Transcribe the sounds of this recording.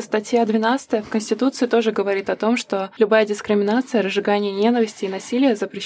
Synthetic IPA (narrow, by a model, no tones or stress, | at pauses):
əst̪ɐtʲjad̪vʲɪnat̪sɨ̥t̪əjəfkənsʲtʲɪt̪ut̪sɨɪt̪o̞ʐɨɡəvɐɾʲit̪ɐt̪o̞mʂt̪o̞lʲʊbajədʲɪskɾʲɪmʲɪnat̪sɨjəɾəzʐːɨɡanʲɪjənʲe̞nəvʲɪsʲtʲɪːnɐsʲilʲɪjəzəpɾʲɪɕ